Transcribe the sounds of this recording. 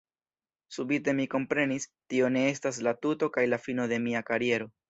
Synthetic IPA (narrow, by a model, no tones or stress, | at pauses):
subite̞miko̞mpɾe̞nistio̞ne̞e̞staslatuto̞kajlafino̞de̞miakaɾie̞ɾo̞